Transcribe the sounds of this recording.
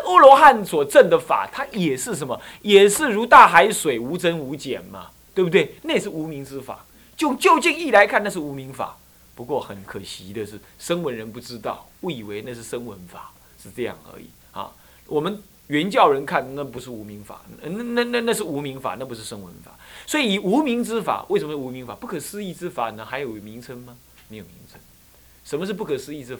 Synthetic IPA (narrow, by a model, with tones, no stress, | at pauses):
ə˥lɔ˧˥xa˥˩nswɔ˨˩ʈ͡ʂə˥˩ŋd̪ə˨fa̰˨˩t̪ʰa˥jɛ˨˩ʂɻ̩˥˩ʂ̬ə˧˦nmə˧ | jɛ˨˩ʂɻ̩˥˩ɻu˧˥t̪a˥˩xa˧˥ɪʂwe˨˩ɪu˧˥ʈ͡ʂə˦nu˧˥t͡ɕjɛ̰˨˩nmɐ̰˨˦ | t̪we˥˩bu˧t̪we˥˩ɪna˥˩˨ʂ̬̩˥˩u˧˥mi˧˥ŋt͡sɹ̩˥fa̰˨˩˦ | t͡ɕjo˥˧ʊt͡ɕjo˥˧ʊt͡ɕi˥˧ŋi˥˩la˧˥ɪkʰa˥˧na˥˧ʂɻ̩˥˩u˧˥mi˧˥ŋfa̰˨˩ | pu˧˥kwɔ˥˩xə˨˩nkʰə˨˩ɕi˧˥d̪ə˧ʂɻ̩˥˩ʂə˥ŋwə˧˦˥nɻə˧˦npu˥˩ʈ͡ʂɻ̩˥t̪ɑ̰˥˩ʊwu˥˩i˨˩we˧˥ɪna˥˧ʂɻ̩˥˩ʂə˥ŋwə˧˥nfa˨˩˦ | ʂɻ̩˥˧ʈ͡ʂɤ˥˧jɑ̰˥˩ŋə̰˧˥ḭ˨˩˦ | ha̰˧ | wʔɔ˨˩mə˦n | ɥɛ˧˥nt͡ɕjɑ˥˩ʊɻə˧˦nkʰa˥˩nna˥˩pu˧˥ʂ̬ɻ̩˥˩u˧˥mi˧˥ŋfa̰˨˩˦n˥˧na˥˧na˥˧na˥˧ʂ̬ɻ̩˥˩u˧˥mi˧˥ŋfa̰˨˩na˥˩p̬u˧˥ʂ̬ɻ̩˥˩ʂə˥ŋwə̰˧˦nfa̰˨˩˦swɔ˧˥i˨i˨˩u˧˥mi˧˥ŋt͡sɻ̩˥fa̰˨˩we˥˩ɪʂə˧mə˦ʂɻ̩˥˨u˧˥mi˧˥ŋfa˨˩pu˥˩kʰɤ˨˩ʂɹ̩˥i˥˧ʈ͡ʂɻ̩˥fa˨˩nə˧˦xa˧ɪjo˨˩ʊmi˧˥ŋt͡sʰə˥nmɐ˧ | me˧˥ɪjo˨˩ʊmḭ˧˥˦ŋt͡sʰə˧˥n | ʂə˧˥nmə˧ʂ̬ɻ̩˥˧p̬u˥˩kʰə˨˩sɹ̩˥˧i˥˩t͡sɹ̩˥fa˨˩